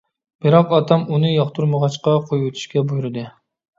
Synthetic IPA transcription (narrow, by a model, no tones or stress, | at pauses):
b̥ɪɾɑqɑt̪ʰɑmunɨjɑχt̪ʰuɾməʁɑt͡ʃqɑqʰojut̪ʰu̥ʃkʲɛbujuɾɨd̪ɨ